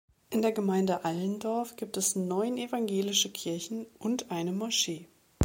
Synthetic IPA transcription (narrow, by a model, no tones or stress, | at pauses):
ʔɪndeːɐɡəmaɪndəʔaləndɔɐfɡ̥iːp̚tɛsnɔʏnevaŋɡeːlɪʃəkʰɪɐçn̩ʔʊntʔaɪnəmɔɐʃeː